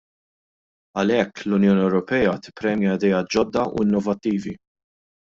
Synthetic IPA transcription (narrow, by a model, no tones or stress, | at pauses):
ɐlɛkːlʊnjɔːniɛwɾɔpɛːjɐt̪ɪ̥pɾɛːmjɛɐd̪ɛjɐːt̪̚d͡ʒɔd̪ːɐʔṵɪnːɔvɐt̪ːiːvi